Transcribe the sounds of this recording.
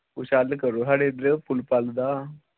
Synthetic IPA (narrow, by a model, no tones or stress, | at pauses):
ʊʃaːlkəɾoːsaːɽeːd̪ɾəpʰʊlpald̪aː